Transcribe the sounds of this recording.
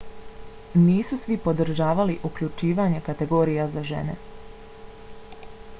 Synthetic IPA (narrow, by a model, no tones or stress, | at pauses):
niːsusʋipo̞d̪ɾ̩ʒaːʋaliʔukʎut͡ʃiːʋaɲe̞kat̪e̞ɡo̞ːɾijazaʒḛne̞̰